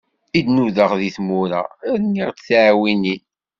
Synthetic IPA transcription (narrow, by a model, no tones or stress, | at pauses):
id̪nuðəʁðiθmuɾa̰ɾniʁt̪θʕwinin